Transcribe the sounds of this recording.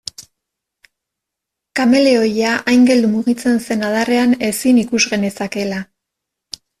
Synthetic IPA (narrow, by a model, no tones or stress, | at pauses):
kame̞le̞o̞jaʔajŋɡe̞ld̪umuɣit͡se̞nse̞naðare̞ane̞sinikuzɣe̞ne̞sake̞la